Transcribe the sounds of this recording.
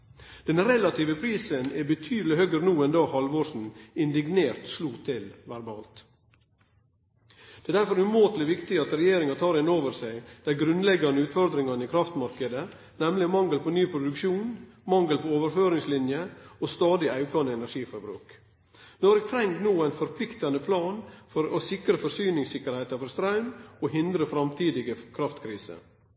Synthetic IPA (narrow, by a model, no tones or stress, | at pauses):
d̪̥ɛnɾɛlɑt̪ʰiːʋəpʰɾiːsənɛbət̪ʰyːd̪əlɪhœɡəɾnuːɛnd̪ɑːhɑlʋoːʂn̩ɪnd̪ɪɡneːɾt̪sluːt̪ʰɪlʋæɾbɑ̰ːlt̪ | d̪̥ɛːd̪æɾfɔɾʉmoːt̪lɪʋɪkt̪ɪɑt̪ɾɛjeːɾɪŋɑt̪ʰɑːɾɪnːoːʋəɾsæɪd̪̥æɡɾʉnlɛɡɑnəʉːt̪fɔɾd̪ɾɪŋɑnɪːkʰɾɑft̪mɑɾkəd̪ə | nɛmlɪmɑŋɡəlpʰoːnyːpʰɾʊd̪ʉkʃuːn | mɑŋɡəlpʰooːʋəɾføːɾɪŋslɪnjəoːst̪ɑːd̪ɪʔɑʉkʰɑnəɛnæʂiːfɔɾbɾʉ̰ːk | nɔɾɛɡ̚t̪ʰɾɛŋɡ̪noːæɪnfɔɾpʰlɪkt̪ɑnəpʰlɑːnfɔɾoːsɪkɾəfɔɾsyːnɪŋsɪkːəɾhɛɪt̪ɑfɔɾst̪ɾɑʉnoːɦɪnd̪ɾəfɾɑmt̪ʰiːd̪ɪɡəkʰɾɑft̪kʰɾiːsə̰